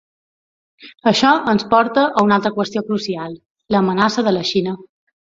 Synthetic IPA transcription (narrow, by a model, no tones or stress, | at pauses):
əʃɔʔənspɔɾt̪əʔəunalˠt̪ɾəkwəst̪iokɾusialˠ | ləːmənasəðələʃinə